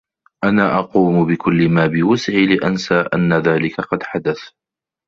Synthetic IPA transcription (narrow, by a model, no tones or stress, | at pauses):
ʔanaːʔɑquːmbɪkʰʊlːɪmaːbɪwʊsɪʕilɪʔansaːʔa̰nːaðaːlɪkaqɑd̪ħad̪aθ